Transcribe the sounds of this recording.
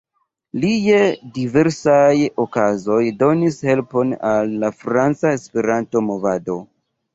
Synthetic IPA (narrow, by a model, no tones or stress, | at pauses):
lijedive̞ɾsajo̞kazo̞jdo̞nishe̞lpo̞nalːafɾant͡saespe̞ɾanto̞mo̞vado̞